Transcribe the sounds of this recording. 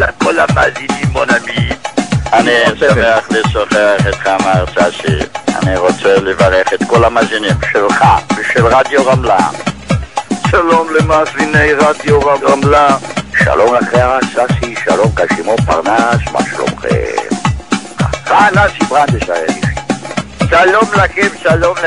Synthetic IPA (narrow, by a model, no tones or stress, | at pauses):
lakolama̰zinimbonaminanisameaχlesoχeaχet̪χamaʁt͡sasḭa̰niʁot͡selevaʁeχet̪kolamazinimʃelχabʃelʁad̪joʁamlam | ʃalomlemasinejʁad̪joʁaamlamʃa̰lomaχeasasiʃa̰lomkaʃimopa̰ʁnasma̰ʃalo̰mχḛ | afanasibʁand̪eʃaʁebiʃisalomlakimʃalom